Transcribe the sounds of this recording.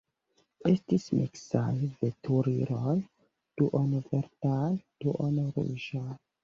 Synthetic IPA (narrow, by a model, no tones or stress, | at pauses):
estismiksajvetʰuɾiɾol | d̥uʔonveɾtald̥uʔonɾṵʒal